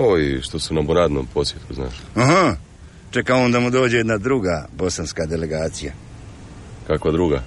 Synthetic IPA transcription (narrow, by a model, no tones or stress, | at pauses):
oiʃt̪osunaboɾaːd̪noːmpʰo̞sʋjet̪kuzna̰ːʃaɦa | t͡ʃekaoːnd̪amud̪o̞ːd͡ʑejed̪nad̪ɾuɡaːbo̞sanskad̪e̞le̞ɡaːt̪sija | kakʋad̪ɾuɡa